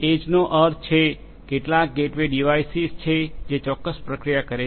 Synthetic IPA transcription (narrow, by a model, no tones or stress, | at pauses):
ed͡ʒnoʔəɾt̪t͡ʃʰe | keʈlak̚ɡeʈʋeɖiʋajsizt͡ʃʰed͡ʒet͡ʃɔkːəspɾəkɾijakəɾe